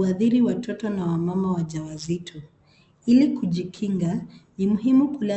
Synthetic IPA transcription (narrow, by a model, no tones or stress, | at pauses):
aðiɾiwatʰɔtɔnawamamawaʄawazitʰɔ | ilikuʄikʰiŋɡanimuɦimukula